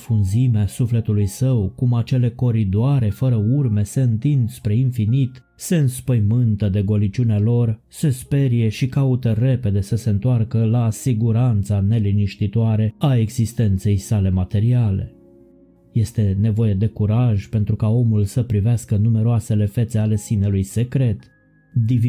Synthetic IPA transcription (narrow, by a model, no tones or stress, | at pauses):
funzimeasufle̞t̪ulujsəwkumat͡ʃe̞le̞ko̞ɾid̪oaɾe̞fəɾəurme̞se̞ɨnt̪ind̪spɾe̞infinit̪ | se̞ɨnspəjmɨnt̪əd̪e̞ɡo̞lit͡ʃunealo̞r | se̞spe̞ɾije̞ʃikaut̪əre̞pe̞d̪e̞səse̞ɨnt̪oarkəlasiɡuɾant̪sane̞liniʃt̪it̪oaɾe̞ae̞ɡzist̪e̞nt̪se̞jsale̞mat̪e̞ɾiale̞̰ | je̞st̪e̞ne̞vo̞je̞d̪e̞kuɾaʒpe̞nt̪ɾukao̞mulsəpɾiveaskənume̞ɾoase̞le̞fe̞t̪se̞ale̞sinelujse̞kɾe̞t̪ | d̪i